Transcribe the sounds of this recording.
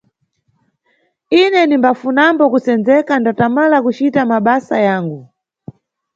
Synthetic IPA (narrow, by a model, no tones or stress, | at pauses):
inɛnimbafunambɔkusɛnd͡zɛkandatamalakut͡ʃitamaɓasajaːŋɡu